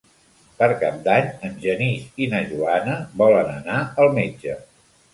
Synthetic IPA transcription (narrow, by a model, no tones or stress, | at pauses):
pəɾkap̚d̪aɲəmʒənisinəʒuanəbɔlənənaəlˠmed͡ʒə